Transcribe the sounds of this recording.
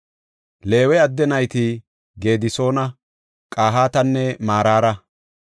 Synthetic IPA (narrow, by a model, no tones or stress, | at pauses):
le̞ːwɛɐd̪ːɛnɐjt̪i | ɡe̞ːd̪ɪso̞ːnɐ | kʼaːɦaːt̪ɐnːɛmaːɾaːɾɐ